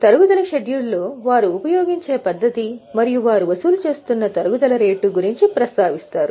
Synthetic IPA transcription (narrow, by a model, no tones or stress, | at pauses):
t̪ɐɾuɡud̪ɐlɐʃeɖjuɭːoːʋaːɾuːpɐjo̞ːɡiɲt͡ʃe̞ːpɐd̪ːɐt̪imɐɾijuʋaːɾuʋɐsuːlut͡ʃe̞ːst̪unːɐt̪ɐɾuɡud̪ɐlɐɾe̞ːʈːuɡuɾiɲt͡ʃipɾɐst̪aːʋist̪aːɾu